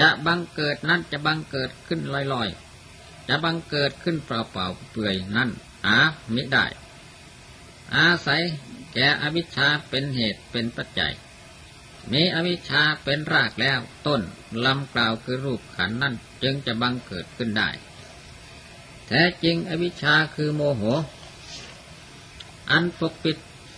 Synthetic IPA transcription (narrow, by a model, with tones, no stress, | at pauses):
t͡ɕa˧ʔba˧ŋkɤː˨˩t̪̚na˧˥˨nt͡ɕa˧˩ʔba˧ŋkɤː˨˩t̪̚kʰɯ˧˥˨nlɔː˧˩˨jlɔː˧˥˩j | t͡ɕa˧ʔba˧ŋkɤː˨˩t̪̚kʰɯ˧˥˨npɾa˨˩wpa̰˨˩wpɯ˨˩əjna˧˥˨n | ʔaː˨˧˦mi˦˥da̰ː˧˥˩j | ʔaː˧sa˨˦jkɛː˨˩ʔa˧wi˦˧˥t̪̚t͡ɕʰaː˧pe˧nheː˨˩t̪̚pe˧˨npa˧˩t̪̚t͡ɕa̰˨j | miː˧˥ʔa˧wi˧˥t̚t͡ɕʰaː˧pe˨˧˨nɾaː˧˩k̚lɛː˧˥˨wt̪o˧˥˨n | la˧˥mklaː˧wkʰɯː˧ɾuː˧˥˩p̚kʰa̰˨˦nːa˥˨n | t͡ɕɯ˧ŋt͡ɕa˧˩ba˧ŋkɤː˨˩t̪̚kʰɯ˧˥˨nda̰ː˧˥˩j | t̪ʰɛː˧˩t͡ɕi˧ŋʔa˧wi˧˥t͡ɕʰaː˧kʰɯː˧moː˧ɦoː˨˧˦ | ʔa˧˥npo˧k̚pi˧˥t̪̚